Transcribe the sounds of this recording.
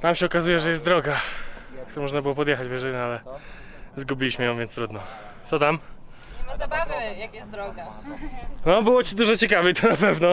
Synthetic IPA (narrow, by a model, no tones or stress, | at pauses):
t̪amɕɛɔkazujɛʐɛjɛst̪̚d̪ɾɔɡakt̪uɾamɔʐnabɘɨwɔpɔd̪jɛxad͡ʑvjɛʐɛɲalɛ | zɡubʲilʲiɕmɘjɔ̃w̃vʲjɛnst̪ɾud̪nɔt̪sɔt̪am | mazabavjakjɛsɾɔɡa | nɔbɘwɔt͡ɕid̪uʐɔt͡ɕɛkavɛt̪ʰɔnapɛvnɔ